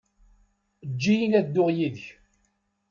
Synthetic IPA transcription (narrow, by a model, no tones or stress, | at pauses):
d͡ʒːijinæd̪ːʊʁjiðç